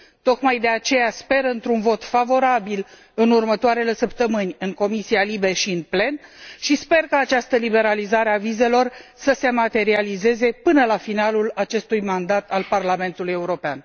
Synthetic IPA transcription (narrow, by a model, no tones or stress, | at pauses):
t̪o̞kmajd̪e̞at͡ʃe̞jaspe̞ɾɨnt̪ɾunvo̞t̪favo̞ɾabil | ɨnurmət̪oaɾe̞le̞səpt̪əmɨnʲɨŋko̞misialibe̞ʃiɨnple̞nʃispe̞rkaːt͡ʃast̪əlibe̞ɾalizaɾe̞avize̞lo̞rsəse̞mat̪e̞ɾialize̞ze̞pɨnəlafinalulat͡ʃe̞st̪ujmand̪at̪alparlame̞nt̪uluje̞uɾo̞pea̰n